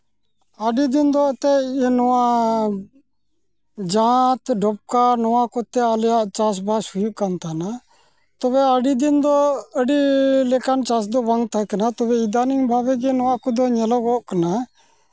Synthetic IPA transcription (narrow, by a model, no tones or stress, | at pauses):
aːɖiːd̪ɪnd̪oːt̪enoãː | d͡ʒãːt̪ɖop̚kaːnoʋãːkot̪ːeːaljat͡ʃaːs̬bʱaːsʊjukant̪aːna | t̪oːʋeːaːɖiːd̪ɪnd̪oːəɖiːleːkaːnt͡ʃaːs̬d̪oːbaŋɡt̪aknaːt̪oʋeːɪd̪aːniŋbʱaːʋeːɡenoãːkʊd̪oːɲeloːɡoːkna